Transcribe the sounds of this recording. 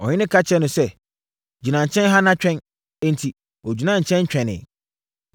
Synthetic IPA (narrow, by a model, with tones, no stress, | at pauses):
ɔ˨ɲɪ̃˦nɪ̃˦kʰa˦t͡ɕʰɛ̃˦nʊ̃˨sɛ˦ | d͡ʑi˨nã˨ɲ̩˨t͡ɕʰɛ̃˦nɦa˦nã˦t͡ɕᶣɛ̃˦n | ɛ̃˦n̩˨tʰi˨ | ɔ˨d͡ʑi˨nã˦˨ɲ̩˨t͡ɕʰɛ̃˦nt͡ɕᶣɛ̃˨nɪ̰̃˨